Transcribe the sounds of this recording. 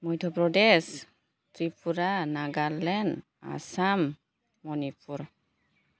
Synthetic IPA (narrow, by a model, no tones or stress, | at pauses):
mɔjtʰɔpɹɔdɛs | tɹipuɾanaɡalɛn | a̰samː | ɔnipuɹ